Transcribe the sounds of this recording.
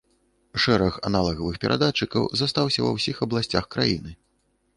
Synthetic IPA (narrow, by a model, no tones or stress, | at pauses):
ʂɛɾɐxa̰nalˠɐɣɐvɨxpʲɛɾʔa̰d̪at͡ʂɨkɐ̰wzast̪awsʲɐvɐ̰wsʲixɐblˠasʲt͡sʲaxkɾajinɨ